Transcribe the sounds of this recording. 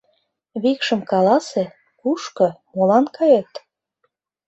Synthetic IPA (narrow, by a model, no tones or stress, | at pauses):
βikʃə̆mkɑlɑse | kuʃkɤ̆molɑnkɑjet̪